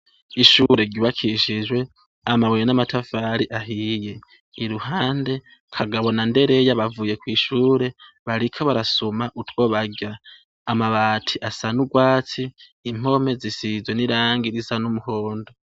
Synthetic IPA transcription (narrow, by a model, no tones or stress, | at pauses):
iʃuɾe̞ɟuβakʰiʃid͡ʒwe̞ | amawejenamatʰafaːɾiʔaɦije̞ | iɾuhaːnde̞ | kʰaɡaβo̞nande̞ɾe̞jaβavuje̞kwiːʃuːɾe̞ | βaɾikʰaβaɾasumaʔutwo̞βaɡaː | maβaːtʰiʔasanuɡwaːt͡siː | m̥o̞me̞zisizweniɾaːŋɡiɾizanumuho̞ːndo